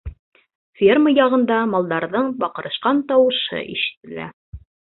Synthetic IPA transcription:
fʲerməjɑʁɤ̆nd̪ɑmɑlˠd̪ɑɾðɤɴbɑqɤ̆ɾɤ̆ʃqɑnt̪ɑwɤ̆ʃɤ̰ʔḭʃɘ̥̆t̪ɘ̆læ̰

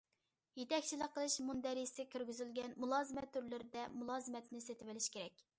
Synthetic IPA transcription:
jet̪ɛkʲt͡ʃʰilˠəqːəlˠɨʃmund̪ɛɾisɪkʲʰyɾɡʲyzylɡʲɛnmulˠɑːzɨmɛt̪ʰːyɾlɪɾɪd̪ɛmulˠɑːzɨmɛt̪ʰɪnɪset̪ʰɪvɪlɪʃkʲʰeɾɛk̚ʲ

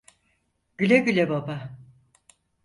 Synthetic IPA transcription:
ɟ̥ylʲeɟylʲebaba

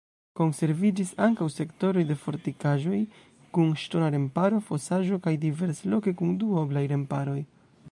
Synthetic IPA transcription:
ko̞nse̞ɾvid͡ʒisaŋkawse̞kto̞ɾo̞jde̞fo̞ɾtikaʒo̞j | kunʃto̞naɾe̞mpaɾo̞fo̞saʒo̞kajdive̞ɾselo̞ke̞kunduoblajɾe̞mpaɾo̞j

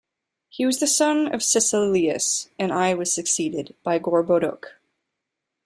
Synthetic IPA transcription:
hiwʌzðɨsʌ̃nʌ̰v̥sɨsɪliɨ̰sɨ̃naɪwʌz̥sɨksiɾɪd̚b̥aɪɡɔɹboʊɾʊ̰k

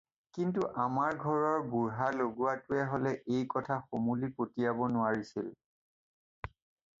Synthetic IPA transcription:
kintuʔamaɹɡʱɔɹɔɹbuɹɦaloɡuwatʊɛɦolɛʔejkɔtʰaxomulipotijabɔnʊwaɹisil

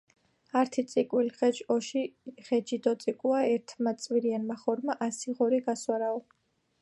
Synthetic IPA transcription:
aɾt̪ʰit̪sʼikʼwilχɛt͡ʃʼɔʃiχɛd͡ʒid̪ɔt̪sʼikʼuaɛɾt̪ʰmat̪sʼwiɾianmaχɔɾmaʔasiʁɔɾiɡaswaɾaɔ

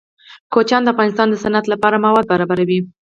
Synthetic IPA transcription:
kot͡ʃɑnd̪əafɣɑnɪst̪ɑnd̪əsanat̪lapɑɾamawɑd̪̚baɾɑbaɾawi

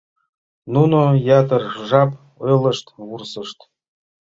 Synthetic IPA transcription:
nunojɑt̪ɤ̆rʐɑp | ɤlˠɤ̆ʂt̪ʋursɤ̆ʂt̪

